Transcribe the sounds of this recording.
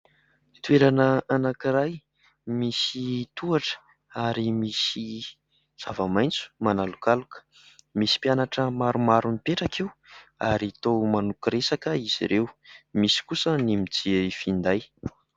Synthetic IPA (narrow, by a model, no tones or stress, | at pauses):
t̪uweɾanəanakiɾaj | misit̪uaʈ͡ʂə̥ | aɾimisi | z̥avamajnt͡su̥manalukalukə̥ | misi̥pjanaʈ͡ʂəmaɾumaɾunipeʈ͡ʂakiwa̰ɾit̪owmanukiɾesakəiz̥ḭɾʔewmisi̥kusənimid͡zieifind̪aj